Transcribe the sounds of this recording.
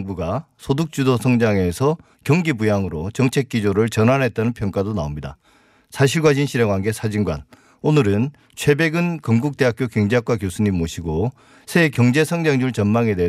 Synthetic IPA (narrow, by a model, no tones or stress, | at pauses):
ŋbuɡa | sʰoduk̚t͡ɕ͈udosʰʌŋd͡ʑaŋe̞sʰʌ | kjʌŋɡibujaŋɯɾot͡ɕʌŋt͡ɕʰe̞k͈̚id͡ʑoɾɯɭt͡ɕʌnɦanɦe̞t̚t͈anɯnpʰjʌŋk͈adonaomɲida | sʰaɕ̬ʰiɭɡwaɕ̬ʰinɕʰiɾeŋwanɡe̞sʰad͡ʑiŋɡwa̰n | onɯɾɯn | t͡ɕʰwe̞be̞ɡɯnkʌŋɡuk̚t͈e̞ɦak͈ʰjokjʌŋd͡ʑeɦak̚k͈wakjosʰuɲimːoɕʰiɡo | sʰe̞kjʌŋd͡ʑe̞sʰʌŋd͡ʑaŋd͡ʑuɭt͡ɕʌnmaŋe̞de